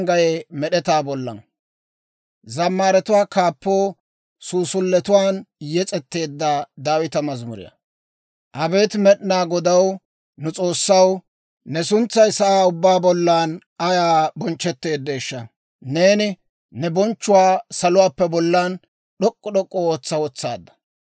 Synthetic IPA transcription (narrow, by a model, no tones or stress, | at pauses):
ŋɡɐjɛmɛɗɛt̪aːbɔlːɐ̰n | zɐmːaːɾɛt̪ʊwaːkaːpːoː | suːsʊlːɛt̪ʊwaːnjɛt͡sʼɛt̪ːe̞ːd̪ːɐd̪aːwɪt̪ɐmɐzmʊ̰ɾɪ̰jɐ̰ | ʔɐbeːt̪mɛɗnaːɡɔd̪ɐw | nʊt͡sʼo̞ːsːɐw | nɛsʊnt͡sːɐjsɐʔaːʊbːaːbɔlːaːn | ɐjaːbɔnt͡ʃːɛt̪ːe̞ːd̪ːeːʃːɐ | neːnɪ | nɛbɔnt͡ʃːʊwaːsɐlʊwaːpːɛbɔlːan | ɗɔkʼːɔɗɔkʼːooːt͡sːɐwɔt͡sːa̰ːd̪ːɐ̥